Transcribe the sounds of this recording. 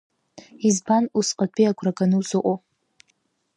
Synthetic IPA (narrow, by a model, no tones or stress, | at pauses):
izbanusqʼapʰʼiakʷʰrakʼanuzɨʔʷʼo